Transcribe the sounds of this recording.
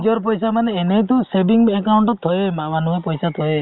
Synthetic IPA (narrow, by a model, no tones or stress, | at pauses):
d͡ʒɔɾp̬ɔjsamaneːnet̪usebiŋekawɳʈɔt̪ʰɔjemamanuɦepɔjsat̪ʰɔe